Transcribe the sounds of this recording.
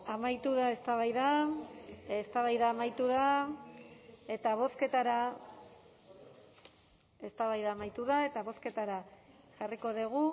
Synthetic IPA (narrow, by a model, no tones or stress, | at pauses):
amajt̪uðae̞st̪aβajða | est̪aβajðaːmajt̪uða | e̞t̪aβ̞o̞ske̞t̪aɾa | e̞st̪aβajðaːmajt̪uðae̞t̪aβo̞ske̞t̪aɾa | ʝariko̞ðeɣ̞u